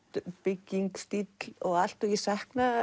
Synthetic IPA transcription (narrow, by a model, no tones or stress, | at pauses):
t̪pɪcːiŋkst̪it̪lɔɣal̥t̪uɣisahkna